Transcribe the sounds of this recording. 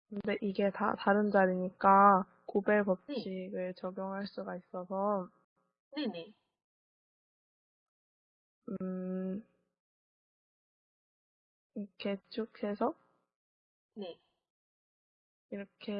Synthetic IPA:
kɯnde̞ʔiɡe̞ta̰taɾɯnd͡ʑaɾiɲik͈a | kobe̞pʌp̚ɕʰiɡɯɭt͡ɕʌɡjoŋɦaɭs͈uɡais͈ʌsʰʌ | nene | ɯ | ikʰe̞t͡ɕʰokʰe̞sʰʌ | ne | iɾʌkʰe̞

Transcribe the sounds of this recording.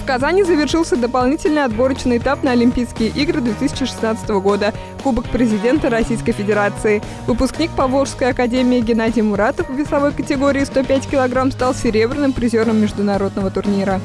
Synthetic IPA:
fkɐzanʲɪzəvʲɪrʂɨlˠsʲəd̪əpɐlˠnʲitʲɪlʲnɨjɐd̪bo̞ɾət͡ɕnɨjɪt̪apnəɐlʲɪmʲpʲijskʲɪjəʔiɡɾɨd̪vʲe̞t̪ɨsʲɪ̥t͡ɕɪʂɨ̥snat̪sɨ̥t̪əvəɡo̞d̪ə | kubəkpɾʲɪzʲɪdʲe̞nt̪əɾɐsʲijskəjfʲɪdʲɪɾat̪sɨɪ | vɨpʊsknʲik̚pɐvlˠoʂskəjɐkɐdʲemʲɪːɡʲɪnadʲɪjmʊɾat̪əfvːʲɪsˠɐvo̞jkətʲɪɡo̞ɾʲɪːst̪o̞pʲætʲkʲɪlˠɐɡɾamst̪alˠsʲɪɾʲe̞bɾʲɪnɨmpɾʲɪzʲoɾəmːʲɪʐd̪ʊnɐɾo̞d̪nəvət̪ʊrnʲiɾə

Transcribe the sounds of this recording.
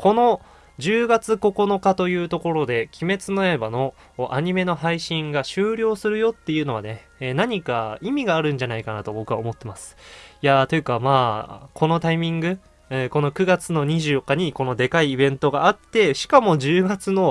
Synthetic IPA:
kʰo̞no̞ | d͡ʑɨːɡat͡sɨko̞ko̞no̞kat̪o̞jɯ̟ːt̪o̞ko̞ɾo̞d̪e̞kʲʰime̞t͡sɨnoebano̞ | ʔaɲ̟ime̞no̞ɦaiɕĩŋɡaɕɨːɾʲo̞ːsɨɾɯ̟jo̞t̪ːe̞jɯ̟ːno̞βane̞ː | naɲ̟ikaimʲiɡaːɾɯ̟̃ɲ̟d͡ʑanaikanat̪o̞bo̞kɯ̟βaomo̞t̪ːe̞masɨ̥jat̪o̞jo̟kamaːkʰo̞no̞t̪aimʲĩŋɡɯ̟ | ɯko̞no̞kɯ̟ɡat͡sɨno̞ɲ̟iʑɨːjokːaɲ̟iko̞no̞d̪e̞kaiːbẽ̞nt̪o̞ɡaːt̪ːe̞ɕi̥kamo̞ʑɨːɡat͡sɨno̞

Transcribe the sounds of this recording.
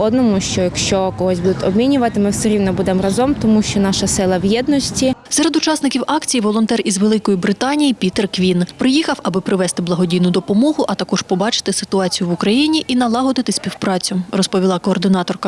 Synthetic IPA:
ɔd̪nɔmʊʃt͡ʃɔjɐkʃt͡ʃɔkɔɦɔszʲbud̪ɪt̪ʲɔbmʲinʲʊʋɐt̪ɪmɪwsɛɾʲiwnɔbud̪emrɐzɔmt̪ɔmuʃt͡ʃɔnɑʃɐsɪlˠɐwjɛd̪nɔsʲtʲisɛɾed̪ʊt͡ʃɑsnɪkʲiwɑkt͡sʲijiʋɔlˠɔnt̪ɛrizʋe̞lˠɪkɔjibɾɪt̪ɑnʲijipʲit̪erkʋʲinpɾɪjixɐwɐbɪpɾɪʋɛst̪ɪblˠɐɦɔdʲijnʊd̪ɔpɔmɔɦʊʔɐt̪ɐkɔʒpɔbɑt͡ʃɪ̥t̪ɪsɪ̥t̪ʊɑt͡sʲijʊʋʊkɾɐjinʲiʔinɐlˠɑɦɔd̪ɪt̪ɪsʲpʲiwpɾɑt͡sʲʊrɔspɔʋʲilˠɑkɔːrd̪ɪnɑt̪ɔrkɐ

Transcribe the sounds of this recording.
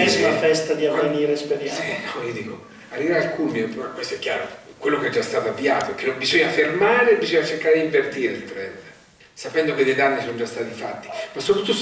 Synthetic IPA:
ɛsafɛst̪ad̪iaveniːɾesped̪jɛnɔiod̪iːko | arːivɾaɾalkumjmakwest̪oɛkʲːjaːɾo̰kwelːokeɛd͡ʒːast̪aːt̪oavːiaːt̪oɛk̟ːenːombizoɲːafermaːɾebizoɲːat͡ʃerkaːɾed̪iɱvert̪iːɾeilt̪ɾɛnd̪ | sapɛnd̪oked̪ːed̪anːisonod͡ʒast̪aːt̪ifat̪ːi̥masːopɾaut̪ːo

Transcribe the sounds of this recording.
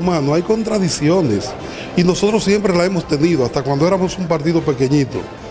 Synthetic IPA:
mãnoajko̞nt̪ɾaðisjo̞ne̞s | ino̞so̞t̪ɾo̞sːje̞mpɾe̞lae̞mo̞st̪e̞niðoast̪akwand̪oe̞ɾamo̞sumpaɾt̪iðope̞ke̞ɲit̪o̞̰

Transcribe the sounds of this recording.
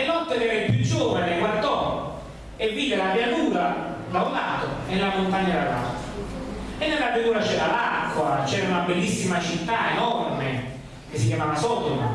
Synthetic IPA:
enɔt̪ːekɛɾaipːjud͡ʒːoːvaneɡward̪ɔ | evːiːdelapjat̪uːɾa | d̪awlaːt̪oenːelamont̪aɲːaala̰faenːelːapɾjat̪uːɾat͡ʃɛalakːwat͡ʃɛɾaunabelːisːimat͡ʃit̪ːaenɔrme | k̟esːikjamaːvasɔːda

